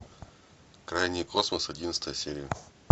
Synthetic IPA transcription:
kɾajnʲɪjkʰosməsɐdʲint̪st̪əjəsʲeɾʲɪjə

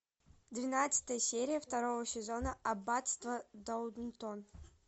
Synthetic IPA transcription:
d̪vʲɪnat̪sə̥t̪əjəsʲeɾʲɪjəft̪aɾovəsʲɪzonəɐbat̪st̪vəd̪owd̪nt̪on

